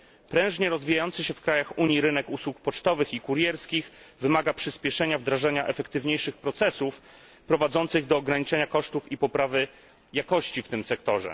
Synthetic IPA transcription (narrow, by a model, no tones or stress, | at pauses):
pɾɛ̃w̃ʐɲɛɾɔzvʲijajɔnt̪sɘɕɛfkɾajaxuɲiɾɘnɛkuswuk̚pɔt͡ʂt̪ɔvɘxikuɾjɛɾskʲixvɘmaɡapʂɘspʲjɛʂɛɲavd̪ɾaʐaɲaʔɛfɛkt̪ɘvɲejʂɘxpɾɔt̪sɛsuf | pɾɔvad̪zɔnt̪sɘɣd̪ɔːɡɾaɲit͡ʂɛɲakɔʂt̪ufipɔpɾavɘ | jakɔɕt͡ɕift̪ɘmsɛkt̪ɔʐɛ̰